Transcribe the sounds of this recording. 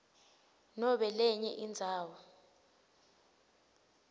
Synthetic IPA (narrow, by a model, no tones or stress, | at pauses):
nɔɓɛlɛɲɛ̰ʔind͡zʱaːwɔ